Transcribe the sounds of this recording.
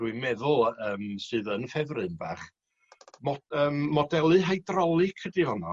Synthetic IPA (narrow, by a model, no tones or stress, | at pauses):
d̥wimɛðʊlˠəːmsɨːðənfɛvrɨnbaːχ | mɔəːmːɔdɛlˠɨɦajdrɔlˠɨkʰrədihɔnɔ